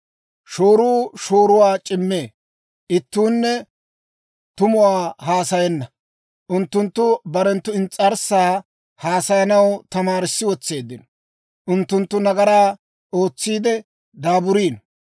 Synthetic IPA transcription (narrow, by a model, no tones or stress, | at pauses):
ʃo̞ːɾuːʃo̞ːɾʊwaːt͡ʃʼɪmːe̞ː | ʔɪt̪ːuːnːɛ | t̪ʊmʊwaːɦaːsɐjɛnːɐ | ʔʊnt̪ːʊnt̪ːʊbɐɾɛnt̪ːʊɪnt͡sʼːɐɾsaː | haːsɐjɐnɐwt̪ɐmaːɾɪsːɪwɔt͡sːe̞ːd̪ːɪnɔ | ʔʊnt̪ːʊnt̪ːʊnɐɡɐɾaː | o̞ːt͡sːiːd̪ɛ | d̪aːbʊɾiːn